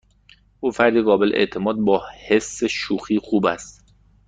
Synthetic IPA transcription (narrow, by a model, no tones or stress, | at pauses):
ʔuːfæɾd̪iɣɒːbeleʔḛʔt̪ʰemɒːd̪̚bɒːhesːeʃuːxiːxuːbæst̪